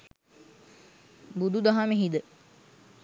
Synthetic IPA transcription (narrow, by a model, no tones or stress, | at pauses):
bud̪ud̪aɦameɦid̪ə